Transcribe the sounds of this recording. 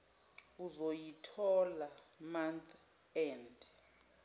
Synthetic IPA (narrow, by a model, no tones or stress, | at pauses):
uzojitʰɔlamant̪ʰ | ɛnd